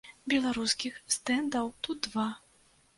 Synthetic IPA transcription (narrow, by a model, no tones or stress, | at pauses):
bʲɛlˠaɾuskʲixst̪ɛnd̪ɐwt̪ud̪̚va